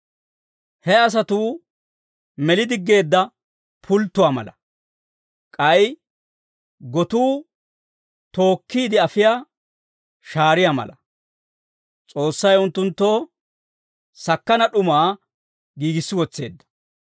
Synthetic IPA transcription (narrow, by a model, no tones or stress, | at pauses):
hɛɐs̬ɐt̪uː | mɛlɪd̪ɪɡːe̞ːd̪ːɐ | pʰʊlt̪ːʊwaːmɐ̰lɐ | kʼɐj | ɡɔt̪uː | t̪o̞ːkːiːd̪ɪɐfɪjaː | ʃaːɾɪjamɐ̰lɐ | t͡sʼo̞ːsːɐjʊnt̪ːʊnt̪ːoː | sɐkːɐnɐɗʊmaː | ɡiːɡɪsːɪwɔt͡sːe̞ːd̪ːɐ̥